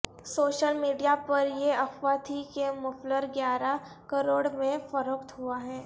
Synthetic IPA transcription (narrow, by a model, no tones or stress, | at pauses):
soːʃəlmiːɖijapɐɾjeɐxʋaːt̪ʰikemʊfləɾɡjaːɾa | kɐɾoːɽmẽfɐɾoːkt̪ɦuaɦɛː